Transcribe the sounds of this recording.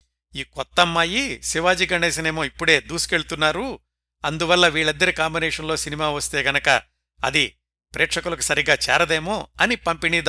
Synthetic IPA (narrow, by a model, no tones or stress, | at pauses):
iːkɔt̪ːɐmːaːjisiʋaːd͡ʒiːɡɐɳɖeːs̬ineːmo̞ːipːuɽe̞ːd̪uːsu̥ke̞ɭut̪unːaːɾu | ɐnd̪uʋɐlːɐʋiːɭɐnd̪d̪ɐɾikaːmbineːʂɐnlo̞ːsinimaːʋɐst̪e̞ːɡɐnɐkɐ̰ | ɐ̰d̪i | pɾeːkʂɐkulɐku̥sɐɾiɡaːt͡ʃɛ̰ːɾɐd̪eːmo̞ːɐnipɐmpiniːd̪